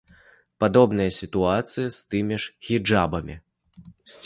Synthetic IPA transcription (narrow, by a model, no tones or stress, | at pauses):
pad̪ɔbnɨjɐsʲit̪uat̪sɨjist̪ɨmʲiʂɣʲid͡ʐabɐmʲḭ | sʲt͡sʲ